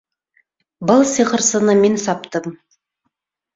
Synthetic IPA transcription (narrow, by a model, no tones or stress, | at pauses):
bəlˠsiqəɾsənəmensɑpt̪əm